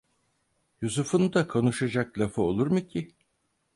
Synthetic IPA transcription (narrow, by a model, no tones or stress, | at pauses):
jusufunud̪akʰo̞nuʃad͡ʒaklʲˠafao̞lˠuɾmucʰi